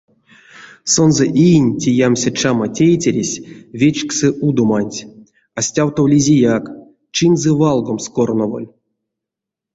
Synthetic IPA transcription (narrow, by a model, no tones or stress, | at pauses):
so̞nzɛʔijnʲtʲijamsʲat͡ʃamatʲejtʲeɾʲesʲvʲet͡ʃksɨʔud̪omanʲtʲ | asʲtʲawt̪owlʲizʲijak | t͡ʃinzɛvalˠɡomskornovo̰lʲ